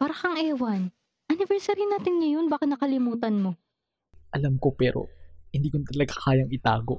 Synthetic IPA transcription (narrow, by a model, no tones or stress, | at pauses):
paːɾɐkɐŋʔɛːwɐn | ʔɐnɪvɛɾsaɾinaːt̪ɪnŋɐjo̞nbaːkɐnɐkɐlɪmuːt̪ɐnmo̞ | ʔɐlamko̞pɛːɾo̰hɪnd̪iːkont̪ɐlɐɡakaːjɐŋɪt̪aːɡoʔ